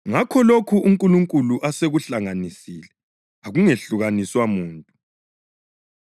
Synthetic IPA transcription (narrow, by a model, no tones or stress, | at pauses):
ŋakʰɔlokʰuʔuŋkʼuluŋkʼuluʔaseɣuɬaŋanisiːlɛ | aɣuŋeɬuɣaniswamuːntʼu